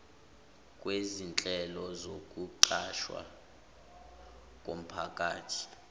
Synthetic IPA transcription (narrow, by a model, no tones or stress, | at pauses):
kʼwezint͡ɬʼɛlɔzokʼuǃaʃwa̰ | kʼom̩pʰakʼaːtʰi̥